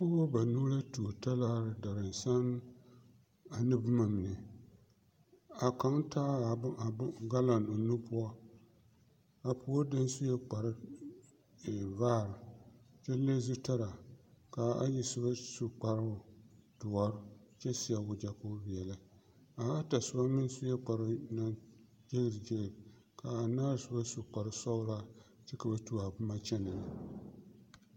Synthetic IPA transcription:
pʊ˦wa˦ba˨nu˦la˦tu˨ta˦laː˦ɾɨ˨da˨ɾɨ˨n˨sa˦n | a˨nɨ˦bɨ˦ma˨m˨nɨ˨ | a˨ka˨˦ŋtaː˦˨˦a˨˦ɡa˦la˨no˨nu˦pʊ˦a˦ | a˨pʊ˨˦o˦da˦n˦su˦jɛ˦k͡pa˨ɾɨ˦˨ | vaː˦˨ɾɨ˨ | t͡ʃɛ˦le˦zʊ˦ta˦ɾa˨ka˨a˦ji˨sɨ˦ba˦su˨k͡pa˨ɾʊ˨dʊ˨ɔ˦ɾʊ˦t͡ʃɛ˦si˦a˨wʊ˨d͡ʒa˨kʊ˦bi˨ɛ˨lɨ˦ | a˨a˦ta˨sʊ˨ba˦nɨ˦n˦sʊ˦jɛ˦k͡pa˨ɾʊ˦na˦ | d͡ʒe˦ɡɨ˨ɾd͡ʒe˦ɡɨ˨ɾ | ka˨a˨naː˦ɾsɨ˦ba˦su˨k͡pa˨ɾɨ˦sɔ˦bʊ˦la˦ | tɨ˦ka˨ba˦tu˦a˨bʊ˦ma˦t͡ʃɛ˦nɨ˨la˨

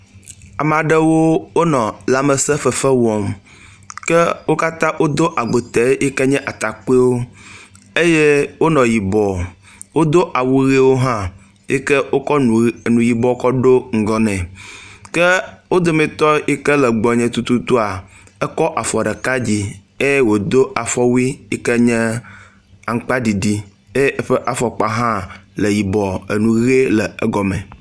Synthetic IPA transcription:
a˨m˨ã˨ɖɛ˦wo˦wo˦nɔ̃˨la˨mɛ˨sɛ˦fɛ˨fɛ˦wɔ˨m | kɛ˦wo˦ka˦t̪ã˦ʔwʔo˦d̪o˦ʔa˨ɡ͡bo˨t̪ɛ˨˦e˦kɛ˦ɲɛ̃˦ʔa˨t̪a˨k͡pe˦wo˦ | e˦je˦wo˦nɔ̃˨ji˨bɔ˨ | wo˦d̪o˦ʔa˨wu˦ɣi˦wo˦ɦã˦ | jɛ˦kɛ˦wo˦kɔ˦˨nũ˨ji˨bɔ˦kɔ˦ɖo˦ŋ̩˨ɡɔ˦nɛ̃˨kɛ˦wo˦d̪o˦mɛ̃˨t̪ɔ˦i˦kɛ˦lɛ˨ɡ͡bɔ˨ɲɛ̃˨t̪u˦t̪u˦t̪u˦a˨ | ɛ˦kɔ˦ʔa˨fɔ˨ɖɛ˨ka˦d͡ʑi˦ | e˦jwo˨d̪o˦ʔa˨fɔ˦wi˦i˦kɛ˦ɲɛ̃˦ | a˨ŋ̩˦k͡pa˦ɖi˨ɖi˦ | e˦ʔe˦ɸɛ˦ʔa˨fɔ˨k͡pa˨ɦã˦le˨ji˨bɔ˨e˨nũ˨ɣe˦lɛ˨e˦ɡɔ˨mɛ̰̃˨

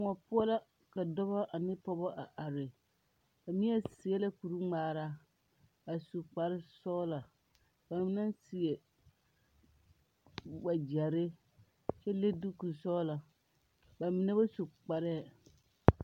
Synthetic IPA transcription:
ŋɔ˨pʊ˦ɔ˦la˦ | ka˨dɔ˦ba˦ʔa˨nɪ˦pɔ˦bɔ˦ʔa˨ʔa˨ɾɪ˨ | ba˨mi˦ɛ˦si˨ɛ˦la˦ku˨ɾu˦ŋ͡maː˨ɾa˦ | ba˨su˨k͡pa˨ɾɪ˦sɔ˦la˨ | ba˨mɪ˦na˦nsi˨e˨ | wa˨d͡ʒɛ˨ɾɪ˦ | t͡ʃɛ˦le˦du˦ku˨sɔ˦la˨ | ba˨mi˨nɛ˦ba˦su˨k͡pa˨ɾɛ˦˨

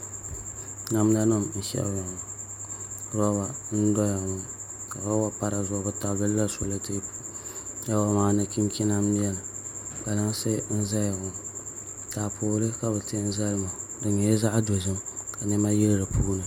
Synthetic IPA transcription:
na˦m˦na˦nɨ˦mn̩˦ʃɛ̰˦ʔwa˨ŋ˨ | ɾɔ˦ba˨n̩˦dɔ˦ja˨ŋʊ˨ | ka˨ba˦wa˨pa˦ɾa˨zɔ˨˦ɡʊ˦ta˨bɨ˦lla˦sʊ˨la˦te˦ja˦wa˨maː˦na˨ki˦n˦kʲi˦na˦m˦n˦jɛ˦lka˨la˦ŋsɛ˦n̩˦za˦jɡʊ˨ | taː˨poː˨˦lɨ˦ka˨bɛ˨tɪ˦n̩˦za˦jma˨dɨ˨ɲɛ˨˦za˦ʔdo˨zɨ˦mka˨nɪ˦ma˦ji˦lɾɨ˨pʰuː˦nɨ˨

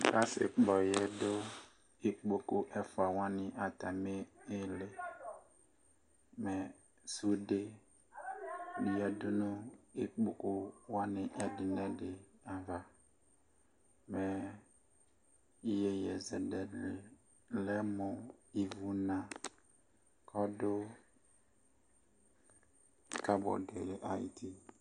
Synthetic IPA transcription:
ka˦sɪ̰˨k͡pɔ˨jɛ˦dʊ˦ | e˦k͡po˨kʊ˦ʔɛ˦fa˨wã˦nɪ̃˨ʔa˨t̪a˨me˦ɪ˦le˨ | mɛ̃˨ | su˦de˦ | ɖi˨a˨dʊ˦nʊ̃˦i˦k͡po˨kʊ˦wã˦nɪ̃˨ʔɛ˨dɪ˨nɛ̃˦dɪ˨ã˨va˨ | mɛ̃˨ | i˦jɛ˨jɛ˨zɛ˨dɛ˨lɪ˨ | lɛ˦mʊ̃˨i˨vu˨˦nã˨ | kʰɔ˦dʊ˦ | ka˦bɔ̰˨dɛ˨lɪ˨ʔa˦ḭ˨tʰi˦

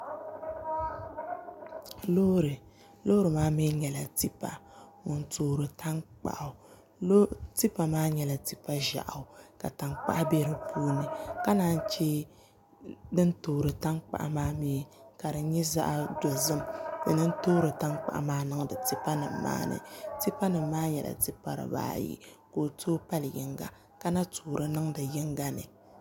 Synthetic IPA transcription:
lo˦ɾɨ˨ | lo˦ɾɨ˨maː˦me˦ɲɛ˨la˨ti˦pa̰˨ŋʊ˨ntoː˨ɾɨ˨tʰa˦ŋk͡pa̰˨ʔa˨˦ | ti˦pa˨maː˦ɲɛ˨la˨ti˦pa˦ʒa̰˨ʔa˨ka˨ta˨ŋk͡pa̰˦ʔa˦bɛ˦ɾɨ˦pʰuː˦nɨ˨ka˦naː˦n˦t͡ʃɛ˦ | dɨ˦ntoː˨ɾɨ˨ta˦ŋk͡pa̰˨ʔa˨maː˦mi˨ | ka˨ɾɨ˨ɲɛ˦za̰˦ʔa˦do˨zɨ˦m˨dɨ̰˨nɨ˦n˦toː˦ɾɨ˨ta˦ŋk͡pa̰˨ʔa̰˦maː˦nɨ˦ŋ˦dɨ˨ti˦pa˦nɨ̰˨mːa̰ː˦nɨ̰˨ti˦pa˦nɨ˨mːaː˦ɲɛ˨la̰˨ti˦pa̰˨ɾɨ̰˨ba̰ː˦jḭ˦ | ko˨tʰoː˦pa˦ljɪ̰˨ŋɡa̰˨ | ka˦na˦toː˨ɾɨ˦nɨ˦ŋdɨ˨jɪ˦ŋɡa˦nɨ̰˨

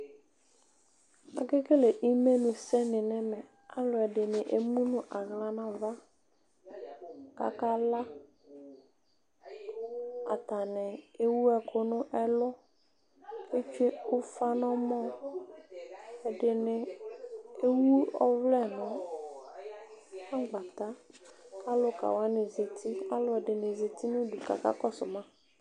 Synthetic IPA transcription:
a̰˨ɡɪ˦ke˦le˨ʔi˦me˦nʊ̃˨sɛ˦nɪ˨nɪ˦mɛ˨ | a˦lʊ˨ɛ˨dɪ˨nɪ˨ʔe˨mũ˦nʊ̃˨ʔa˨ɣla˨na˨va˦ | ka̰˨ka˦la˦ | a̰˨ta˨nɪ˨e˦wu˦ɛ˨kʰʊ˨nʊ˦ʔɛ˦lʊ˦ | e˦t͡ʃe˦ʊ˦fa˦nʊ˦mɔ˦ | ɛ˨dɪ˨nɪ˨ | e˦wu˦ɔ˦vlɛ˦˨nʊ̃˨ | a˦ɡ͡ba˨t̪a˦kʰa˦lʊ˦ka̰˨wa˨˦nɪ˨ze˨tʰi˦a˦lʊ˦ɛ˨dɪ˨nɪ˨ze˨t̪i˦nʊ̃˦du˨ka̰˨ka̰˦kɔ˦sʊ˨mã˦

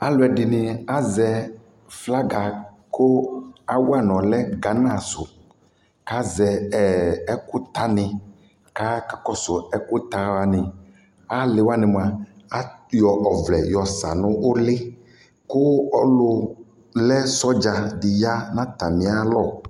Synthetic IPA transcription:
a˦lʊ˨˦ɛ˨ɖɪ˨nɪ̃˨a˦zɛ˨ | fla˦ɡa˨ | kʊ˦a˦wu˦a˨nɔ̃˨lɛ˦ɡa˨nã˦˨sʊ˨ | ka˦zɛ˨ɛ˨ɛ˦kʊ˦t̪a˦nɪ̃˨ | ka˦ka˨kɔ˦sʊ˨ɛ˦kʊ˦t̪a˦wa˨˦nɪ̃˨ | a˦lɪ˨wa˦nɪ̃˨m˨a˨ | a˦jɔ˨ʔɔ˨vlɛ˨jɔ˨sa̰˨nʊ̃˦ʔo˦lɪ˦ | kʊ˦ɔ˦lʊ˦ | lɛ˦sɔ˦d͡ʒa˨dɪ˨ja˦nã˦t̪a˨mĩ˨˦a˦lɔ˦˨

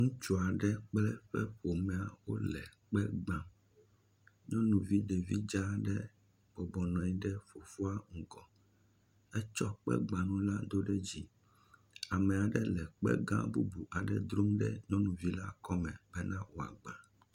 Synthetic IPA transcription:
ŋũ˦t͡ʃu˨a˨ɖɛ˦k͡plɛ˦ɸɛ˦ɸo˨mɛ˨a˨wo̰˦lɛ̰˨k͡pɛ˦ɡ͡bã˦ | ɲɔ̃˦nũ˨vi˦ɖe˨vi˦d͡ʒa˦ɖɛ˦ | b̥ɔ˨bɔ˨nɔ̃˨i˦ɖɛ˦fo˨fo˦a˦ŋ̩˨ɡɔ˨ | ɛ˦t͡ʃɔ˦k͡pɛ̰˦ɡ͡bã˨nũ˦la˦d̪o˦ɖɛ˦d͡ʑi˦ | a˨mɛ˨a˨ɖɛ˦lɛ˨k͡pɛ̰˦ɡã̰˦bṵ˦bu˨ʔa˨ɖɛ˦d̪ɾo˦mɖɛ̰˦ɲɔ̃˦nũ˨vi˦la˦kɔ˦mɛ̃˨bɛ˦nã˦wo˨a̰˨ɡ͡ba˨

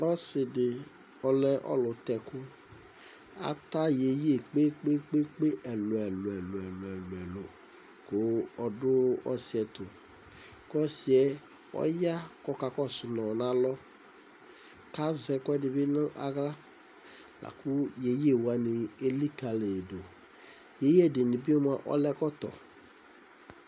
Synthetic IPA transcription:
ɔ˦sɪ˨dɪ˨ | ɔ˨lɛ˦ʔɔ̰˦lʊ˨t̪ɛ˨kʊ˦ | a̰˦t̪a˦je˨je˦˨k͡pe˦k͡pe˦k͡pe˦k͡pe˦ʔɛ˨lʊ˨ɛ˨lʊ˨ɛ˨lʊ˨ɛ˨lʊ˨ɛ˨lʊ˨ɛ˨lʊ˨ | kʊ˦ɔ˨dʊ˦ɔ̰˦si˨ɛ˨t̪ʊ˨ | kɔ˦si˨ɛ˦ | ɔ̰˦ja˦kɔ˦ka˧kɔ˦˨sʊ˨nɔ˨nã˨˦lɔ˦ | ka˦zɛ˧kɔ˦dɪ˧˨bi˦nə̃˦ʔa̰˨ɡla˦ | la̰˨ku˦je˨je˦˨wa˨nĩ˨e˦li˦ka˨le˨do˨ | je˨˦je˦˨dɪ˨nĩ˨bi˦mã˧˦ʔɔ̰˦lɛ˦kɔ˦t̪ɔ̰˨

